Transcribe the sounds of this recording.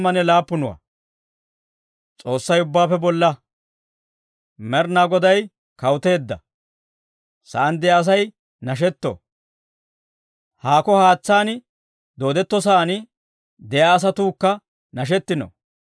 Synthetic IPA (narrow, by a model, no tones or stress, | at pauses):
mɐnɛlaːpːʊnʊwɐ̰ | t͡sʼo̞ːsːɐjʊbːaːpːɛbɔlːɐ | mɛɾnaːɡɔd̪ɐj | kɐwt̪e̞ːd̪ːɐ̰ | sɐʔɐnd̪ɛjaːs̬ɐj | nɐʃ̬ɛt̪ːo̰ː | haːkɔhaːt͡sːaːnɪ | d̪o̞ːd̪ɛt̪ːɔs̬aːnɪ | d̪ɛjaːs̬ɐt̪uːkːɐ | nɐʃ̬ɛt̪ːɪno̰